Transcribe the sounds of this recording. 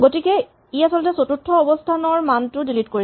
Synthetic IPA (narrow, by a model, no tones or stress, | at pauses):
ɡotikɛ | iasɔltɛsotutʰːɔɔbɔstʰanɔɹmantʊdilitkoɹi